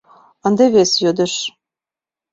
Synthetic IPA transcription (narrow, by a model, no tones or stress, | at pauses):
ɤ̆nd̪eβesjød̪ə̆ʃ